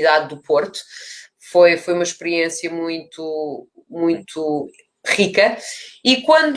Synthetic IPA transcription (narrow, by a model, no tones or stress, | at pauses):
ðaðːupoɾt̪u̥ | fojfojumɐʃpɨɾiẽsjɐmũj̃t̪u | mũj̃t̪ʰu | ʁikɐikwɐ̃nd̪